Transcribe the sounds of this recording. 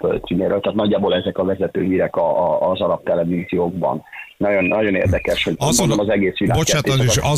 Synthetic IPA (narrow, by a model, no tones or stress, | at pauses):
pø̰sineːɾøːlt̪aːt̪nɒɟːaːbolɛzɛkɒvɛzɛt̪ø̰ːɦiːɾɛkɒːzɒɾɒp̚t̪ɛlɛviːzijoːɡbɒ̰nnɒɟo̞nnːɒɟo̞nḛːrd̪ɛkɛʃho̞ɟɒzonnɒzɛɡeːsʋilaːbo̞t͡ʃːaːt̪lɒneʃɒ